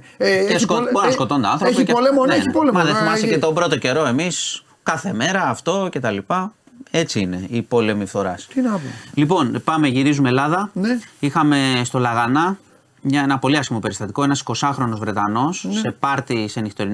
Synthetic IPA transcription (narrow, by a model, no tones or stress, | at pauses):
eskoboɾɐsko̞t̪o̞nd̪ɐɐnθɾopolemoneipolemɐðeimɐsicet̪o̞bɾo̞t̪o̞ce̞ɾo̞e̞mis | kɐθe̞me̞ɾɐːft̪o̞ce̞t̪ɐlipɐ | e̞t͡siine̞ipo̞le̞mifθo̞ɾɐst̪inɐolipo̞npɐmeʝiɾizumelɐðɐnixɐme̞st̪o̞lɐɣɐnɐ | ɲɐe̞nɐpo̞liɐsimo̞pe̞ɾist̪ɐt̪iko̞enɐsi̥ko̞sɐxɾo̞no̞zvɾe̞t̪ɐno̞sse̞pɐɾt̪isenixt̪o̞ɾi